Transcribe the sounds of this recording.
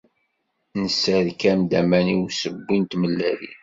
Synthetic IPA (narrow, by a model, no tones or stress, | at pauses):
nəsːəɾkæmd̪æmæniwsəbːint̪məlːælḭ